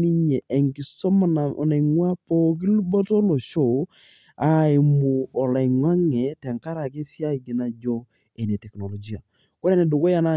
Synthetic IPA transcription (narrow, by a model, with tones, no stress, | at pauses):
ni˦ɲɛ˨ʔe˨ŋki˨sɔ˦ma˨na̰˨na˨ŋwa˦po˦k̬i˦lu˦bɔ˦to˦lo˨ʃo˦˨ | a˨e˨mu˨ɔ˨la˨ŋwa˦ŋe˨tɛ˨ŋka˦ɾa˨ke˦sja˦i˨ɡi˨na˨d͡ʒo˦ | e˨ne˨tɛ˨kno˨lo˨d͡ʒi˦a˨ | ko˦ɾe˦ne˨do˨ko˦ja˨na˦˨